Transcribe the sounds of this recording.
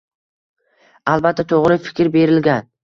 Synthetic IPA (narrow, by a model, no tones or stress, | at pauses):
alˠbat̪ʰːat̪ʰoʁɾɪfɪ̥kʲɾbe̞ɾɪlɡʲan